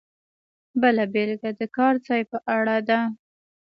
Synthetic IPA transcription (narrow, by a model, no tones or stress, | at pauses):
bəlabelɡad̪əkɑɾt͡sɑjpəʔaɽad̪a